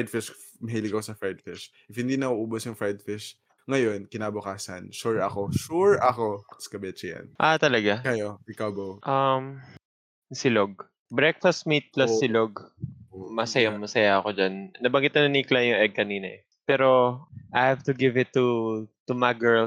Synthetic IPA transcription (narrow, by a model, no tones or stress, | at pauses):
d̪̚fɪʃ | mɐɦiːlɪɡɐkosɐfaɹd̪̚fɪʃ | ʔɪfhɪnd̪iːnɐuːʔuːbosjʊŋfajd̪fɪʃ | ŋɐjo̞nkɪnaːbʊkaːsɐ̰nʃuɹɐkoʃuɹɐkoskɐbɛt͡ʃɛja̰nʔat̪ɐlɐɡakɐjoɪkawbowʔɐm | sɪloɡ̚ | bɹɛk̚fɐst̪̚mit̪̚plasɪloɡ | mɐsɐjamɐsɐjaʔɐko̞d͡ʒanːɐbɐŋɡɪt̪nɐnɐniklɐjʊŋʔɛɡ̚kɐniːnɐ̰ʔɛ | pɛːɾoʔajhavt̪ʊɡɪvɪt̪ːut̪umaɡɛl